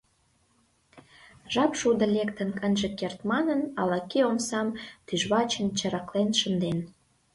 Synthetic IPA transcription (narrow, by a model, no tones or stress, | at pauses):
ʒɑpʃud̪ə̆lekt̪ənkənʒĕkert̪mɑnənɑlɑkiomsɑmt̪yʒβɑt͡ɕənt͡ɕəɾɑklenʃənd̪en